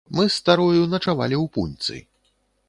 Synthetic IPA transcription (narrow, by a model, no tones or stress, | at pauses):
mɨst̪aɾujunɐt͡ʂava̰lʲiwpunʲt̪sɨ̰